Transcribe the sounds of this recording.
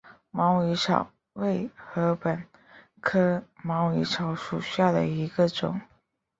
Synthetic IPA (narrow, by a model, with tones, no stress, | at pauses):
mɑ˧˥ʊi˧˥ʈ͡ʂʰɑ̰˨˩˦ʊ | we˥˩ɪxɤ˧˥pə˨˩n | kʰɤ˥mɑ˧˥ʊi˧˥ʈ͡ʂʰɑ˧˥ʊʂu˨˩ɕja˥˩d̪ə˩i˧˥ɡə˧ʈ͡ʂʊ̰˨˩˦ŋ